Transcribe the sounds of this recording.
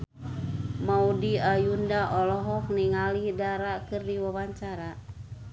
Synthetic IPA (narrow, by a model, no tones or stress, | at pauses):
maudiajundaʔɔlɔɦɔk̚niŋalidaɾakɨrdiwawaɲt͡ʃaɾa